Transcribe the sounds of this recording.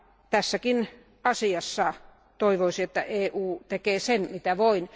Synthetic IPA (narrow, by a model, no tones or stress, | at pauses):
t̪æsːækin | ɑsiɑsːɑ | t̪oiʋoisiet̪ːæʔeːʔuːt̪ekeːsenmit̪æʋoin